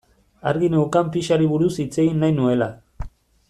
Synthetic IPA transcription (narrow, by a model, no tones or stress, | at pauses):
aɾɣinewkampiʃaɾiβuɾusit͡se̞ɣinːajnue̞la